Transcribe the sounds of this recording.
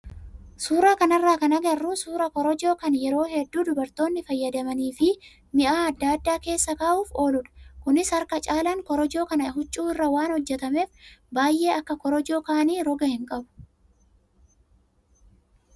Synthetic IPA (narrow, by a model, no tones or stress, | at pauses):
suːɾaːkɐnɐrːaːkɐnɐɡɐrːuːsuːɾɐkɔɾɔd͡ʒo̞ːkɐnjɛɾo̞ːhɛd̪ːuːd̪ʊbɐɾt̪o̞ːnːɪfɐjːɐd̪ɐmɐniːfɪ | mɪʔaːɐd̪ːaːd̪ːaːke̞ːsːɐkaːʔuːfo̞ːlʊᶑɐ̥kʊnɪshɐɾkɐt͡ʃʼaːlɐŋkɔɾɔd͡ʒo̞ːkɐnɐɦʊt͡ʃʼːuːɪrːɐwaːnhɔd͡ʒːɛt̪ɐme̞ːfbaːjʔe̞ːɐkːɐkɔɾɔd͡ʒo̞ːkaːniːɾɔɡɐhɪŋkʼɐbʊ̥